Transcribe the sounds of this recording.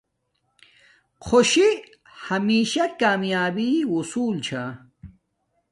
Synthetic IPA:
qʰoɕi | hɐmiːʃakaːmjaːbiusuːlt͡ɕʰa

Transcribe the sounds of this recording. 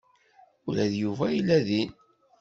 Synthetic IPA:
ʊɾæðjuvæjilːæðin

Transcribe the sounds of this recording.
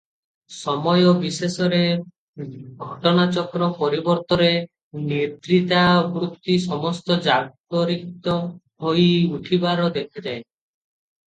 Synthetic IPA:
sɔmɔjɔbisesɔɾe | ɡʱɔʈɔnat͡ʃɔkɾɔpɔɾibɔɾt̪ɔɾe | net̪ɾit̪abɾut̪ːisɔmɔst̪ɔd͡ʒaɡ̚ | ɔɾikt̪ɔ | ɦojuʈʰibaɾɔd̪ekʰad͡ʒae

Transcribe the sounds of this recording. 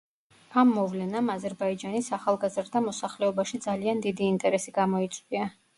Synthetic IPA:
amːɔvlɛnamazɛɾbaid͡ʒanisaχalˠɡazɾd̪amɔsaχlɛɔbaʃid̪zaliand̪id̪iːnt̪ʼɛɾɛsiɡamɔit̪sʼwia

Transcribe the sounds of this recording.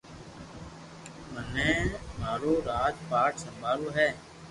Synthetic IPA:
mənɛ̃ːmaːɾoːɾaːd͡ʒpaːʈsəmbʱaːɾoːɦɛː

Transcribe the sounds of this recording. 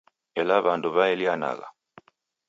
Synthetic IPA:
elaβaːnduβaeljana̰ɣa̰

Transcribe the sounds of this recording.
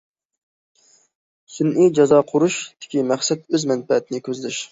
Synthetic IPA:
synʔid͡ʒɑzɑːqʰʊɾuʃd̪̥ɪ̥kʲimæχsɛt̪̚øzmɛnpɛt̪ʰnɪkʲʰøzlyʃ

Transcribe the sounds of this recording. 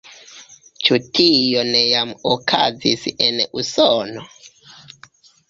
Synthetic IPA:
t͡ʃutʰijonejamokʰa̰zisenusono

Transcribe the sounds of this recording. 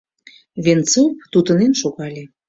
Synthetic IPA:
βent͡sop̚t̪ut̪ənemʃoɣɑlʲe

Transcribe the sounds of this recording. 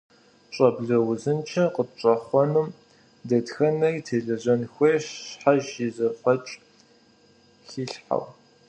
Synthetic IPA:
t͡ʃʼɐbɮɐwʊzɨnt͡ʃʰɐqət͡ʃʼɐχʷɔnɨm | dɐtxɐnɐritʰeːɮɐʑɐnxʷeːɕħaʒɪzɐχʷɔt͡ʃʼ | xiːɬħa̰w

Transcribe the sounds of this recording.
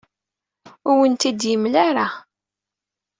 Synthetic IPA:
ʊɾwənt̪id̪jəmlaɾa

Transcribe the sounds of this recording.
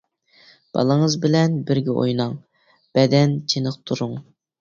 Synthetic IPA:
b̥ɑ̰lˠəŋəzbɪlɛnbɪɾɡʲɛʔo̰jnɑŋ | b̥ɛd̪ɛnt͡ʃʰenəqt̪ʰuɾuŋ

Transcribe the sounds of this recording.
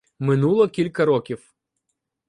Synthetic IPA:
mɪnulˠɔkʲilʲkɐɾɔkʲiw

